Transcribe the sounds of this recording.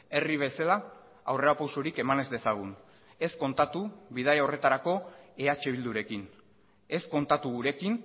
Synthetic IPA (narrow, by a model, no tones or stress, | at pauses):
e̞riβ̞e̞sala | awre̞ɾapawsoɾike̞mane̞zd̪e̞saɣ̞un | e̞sko̞nt̪at̪uβið̞ajaore̞t̪aɾako̞eat͡ʃe̞βild̪uɾe̞kin | e̞sko̞nt̪at̪uɣuɾe̞kin